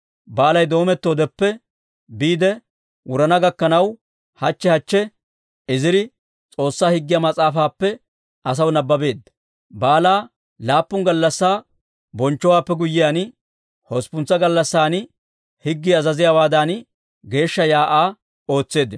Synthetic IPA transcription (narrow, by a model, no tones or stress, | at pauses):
baːlɐjd̪o̞ːmɛt̪ːoːd̪ɛpːɛ | biːd̪ɛ | wʊɾɐnɐɡɐkːɐnɐw | hɐt͡ʃːɛhɐt͡ʃːɛ | ɪzɪɾɪ | t͡sʼo̞ːsːaːhɪɡːɪjɐmɐt͡sʼaːfaːpːɛ | ɐs̬ɐwnɐbːɐbe̞ːd̪ːɐ | baːlaː | laːpːʊŋɡɐlːɐsːaː | bɔnt͡ʃːɔwaːpːɛɡʊjːɪjaːn | hɔspʊnt͡sːɐɡɐlːɐsːaːn | hɪɡːɪɐzɐzɪjaːwaːd̪an | ɡe̞ːʃːɐjaːʔaː | o̞ːt͡sːe̞ːd̪ːɪn